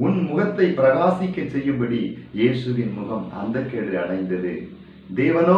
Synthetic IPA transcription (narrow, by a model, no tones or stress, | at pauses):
ʊnmʊɣɐt̪ːɐɪpːɪɾɐɣaːsɪkːɐt͡ʃsɛjːɯmbɐɽijeːsɯʋɪnmʊɣɐmɐ̰nd̪ɐkːeːɽiɐɽɐɪnd̪ɐðɯ̰ | d̪eːʋɐnoː